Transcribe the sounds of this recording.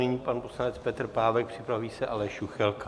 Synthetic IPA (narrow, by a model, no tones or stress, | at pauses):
nɪɲiːpanposlanɛt͡spɛt̪r̩paːvɛk̚pr̝̥ɪpɾaviːsɛʔalɛʃuxɛlka